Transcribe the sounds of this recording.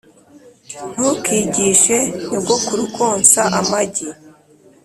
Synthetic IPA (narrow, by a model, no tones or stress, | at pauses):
n̥ukiːɟiːʃenobɡokuɾukʰoːnsaʔamaɟi